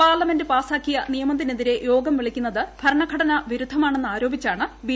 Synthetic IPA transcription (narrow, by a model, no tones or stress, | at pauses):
paːrlɐme̞ndɨpaːsaːkːijɐnijɐmɐt̪ːineðiɾe̞jo̞ːɡɐmʋiɭikʲːunːɐðɨbʱɐɾɐɳɐɡʱɐɽɐnɐʋiɾud̪ʱːɐmaːɳe̞nːɨaːɾo̞ːbit͡ɕːaːɳɨbi